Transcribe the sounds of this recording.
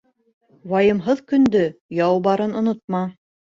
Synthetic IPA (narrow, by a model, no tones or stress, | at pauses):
wɑjɤ̆mɦɤðkɵ̆nd̪ɵjɑwbɑɾɤnŏnot̪̚mɑ